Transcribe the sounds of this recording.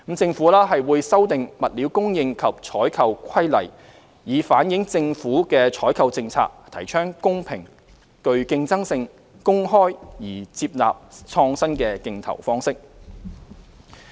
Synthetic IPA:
m̩˨˧t͡sɪ˧ŋfuː˨˥lɛː˥ɦɐ˨jwuː˨˧jsɐ˥wt̪ɪ˨ŋmɐ˨t̚li˨˧wkʊ˥ŋjɪ˨˧ŋkʰɐ˨p̚t͡ʃʰɔː˨˥jkʰɐ˨˧wkʷʰɐ˥jlɐ̰˨˩j | jiː˨˧faː˨˥njɪ˨˥ŋt͡sɪ˧ŋfuː˨˥kɛː˧t͡ʃʰɔː˨˥jkʰɐ˨˧wt͡sɪ˧ŋt͡sʰa̰ː˧k̚t̪ʰɐ˨˩jt͡ʃʰœː˥ŋkʊ˥ŋpʰɪ̰˨˩ŋ | kɵ˧ɥkɪ˧ŋt͡sɐ˥ŋsɪ˧ŋ | kʊ˥ŋɦɔː˥jjiː˨˩t͡siː˧p̚la̰ː˨p̚t͡sʰɔː˧ŋsɐ˥nkɛː˧kɪ˧ŋt̪ʰɐ̰˨˩wfɔː˥ŋsɪ˥k̚

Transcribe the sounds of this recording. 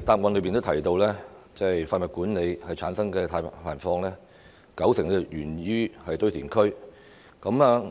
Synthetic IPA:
t̪aː˧p̚ŋɔː˨˧nlɵ˨˧˥pi˨nt̪o˥wt̪ʰɐ˨˩jt̪o˧wlɛː˥t͡sɛ˥jfaː˧nmɐ˨˩kuː˨˥nne˨˧jhɐ˨jt͡sʰaː˨˥nsɐ˥ŋkɛː˧t̪ʰaː˧jpʰaː˨˩nfɔː˧ŋlɛː˥ | kɐ˨˥wsɪ˨˩ŋɛ˧jyː˨˩nɥyː˥hɐ˨jt̪ɵ˥ɥt̪ʰiː˨˩nkʰɵ˥ɥ | kɐ˨˥maː˨˧

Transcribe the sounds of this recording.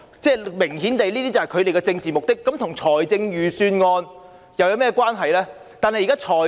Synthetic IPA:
t͡sɛː˥˩mɪ˨˩ŋɦi˨˥nt̪e˨jliː˥t̪iː˥t͡sɐ˨whɐ˨jkʰɵ˨˧ɥt̪e˨jkɛː˧t͡sɪ˧ŋt͡siː˨mʊ˨k̚t̪ɪ˥kːɐ˨˥mt̪ʰʊ˨˩ŋt͡ʃʰɔː˨˩jt͡sɪ˧ŋjyː˨˩syː˧nŋɔː˧n | jɐ˨wjɐ˨˧wmɛː˥kwaː˥nɦɐ˨jlɛː˥ | t̪aː˨nhɐ˨jːkaː˥t͡ʃʰɔː˨˩

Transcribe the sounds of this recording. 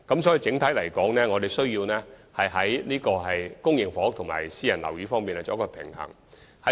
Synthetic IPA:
kɐ˨˥ms̬ɔː˨˥ji˨˧t͡sɪ˨˥ŋt̪ʰɐ˨˥jlɐ˨˩jkɔː˨˥ŋnɛː˥ŋɔː˨˧e˨jsɵ˥ɥjiː˧wnɛː˥hɐ˨jɦɐ˨˥jniː˥kɔː˧ɦɐ˨jkʊ˥ŋjɪ˨˩ŋfɔː˨˥ʊ˥k̚t̪ʰʊ˨˩ŋma̰ː˨˩jsiː˥jɐ˨˩nlɐ˨˩wjiː˨˥fɔː˥ŋmiː˨naː˥˧t͡sɔː˨˧˥kːɔː˧pʰɪ̰˨˩ŋhɐ̰˨˩ŋ | hɐ˨˦˥

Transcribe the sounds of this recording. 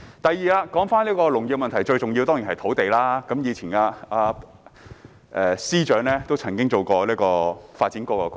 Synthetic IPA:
t̪ɐ˨jːiː˨˩laː˧kɔː˨˥ŋfaː˥nliː˥kɔː˧lʊ˨˩ŋjɪ˨k̚mɐ˨nt̪ʰɐ˨˩jt͡ʃɵ˧ɥt͡sʊ˨ŋji˧wt̪ɔː˥ŋjiː˨˩nhɐ˨jt̪ʰo˨˥wt̪e˨jlaː˥kɐ˨˥mjiː˨˧t͡sʰiː˨˩naː˧aː˧ | ʔɛː˨˧siː˥t͡ʃœː˨˥ŋlɛː˥t̪o˥wt͡sʰɐ˨˩ŋkɪ˥ŋt͡so˨wkɔː˧liː˥kɔː˧faː˧t̚t͡siː˨˦˥nkɔː˧kɔː˧

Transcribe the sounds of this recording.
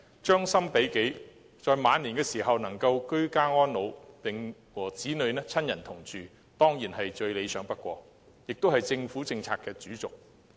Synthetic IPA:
t͡ʃœː˥ŋsɐ˥mpe˨˥jke˨˥j | t͡ʃɔː˨˧jmaː˨˧niː˨˩nkɛː˧siː˨˩ɦɐ˨wnɐ˨˩ŋkɐ˧wkɵ˥ɥkaː˥ŋɔː˥nlo˨˧wpɪ˨ŋ | wɔː˨˩t͡siː˨˥nɵ˨ɥnɛː˥t͡sʰɐ˥njɐ˨˩nt̪ʰʊ˨˩ŋt͡ʃyː˨ | t̪ɔː˥ŋjiː˨˩nɦɐ˨jt͡ʃɵ˧ɥle˨˧jsœː˨˥ŋpɐ˥t̚kʷɔ̰ː˧ | jɪ˨k̚t̪o˥whɐ˨jt͡sɪ˧ŋfuː˨˥t͡sɪ˧ŋt͡sʰaː˧k̚ɛː˧t͡ʃyː˨˥t͡sʊ˨˩k̚

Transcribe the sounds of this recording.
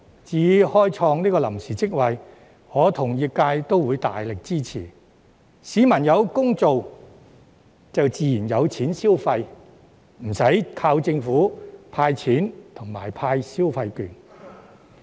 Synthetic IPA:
t͡siː˨˧˨hɔː˥jt͡sʰɔː˧ŋniː˥kɔː˧lɐ˨˩msiː˨˩t͡sɪ˥k̚wɐ˨j | hɔː˨˧˥t̪ʰʊ˨˩ŋjiː˨˧kaː˧jt̪o˥wuː˨˧jt̪a̰ː˨jlɪ˨k̚t͡siː˥t͡sʰḭː˨˩ | siː˨˧˥mɐ˨˩njɐ˨˧wkʊ˥ŋt͡so˨w | t͡sɐ˨wt͡siː˨jiː˨˩njɐ˨˧wt͡sʰiː˨˥nsiː˥wfɐ˧j | m̩˨˩sɐ˨˥jkʰaː˧wt͡sɪ˧ŋfuː˨˥pʰaː˧jt͡sʰiː˨˥nt̪ʰʊ˨˩ŋma̰ː˨˩jpʰaː˧jsiː˥wfɐ˧jkyː˨n

